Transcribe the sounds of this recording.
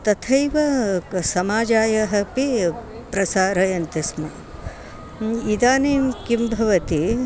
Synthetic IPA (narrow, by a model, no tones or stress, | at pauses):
t̪ɐt̪ʰɐjʋɐsɐmaːd͡ʒaːjɐɦɐpi | pɾɐsaːɾɐjɐnt̪ismɐ | id̪aːneːmkimbʱɐʋɐt̪i